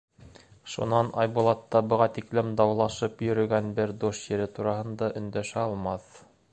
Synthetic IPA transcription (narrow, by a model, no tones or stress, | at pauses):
ʃṵnɑnɑjbulˠɑt̪ːɑbɤ̆ʁɑt̪iklɘmd̪ɑwlˠɑʃɤpjɵ̆ɾɵ̆ɡænbɘɾd̪uʃjɘ̆ɾɘt̪uɾɑhɤ̆nd̪ɑʔɵ̆nd̪æʃæɑlˠmɑθ